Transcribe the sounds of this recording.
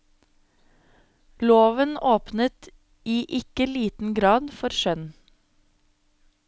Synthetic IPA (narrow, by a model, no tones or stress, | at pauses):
loːʋənoːpnət̪ | iːʔɪkəliːt̪n̩ɡɾɑːd̪fɔɾʃœn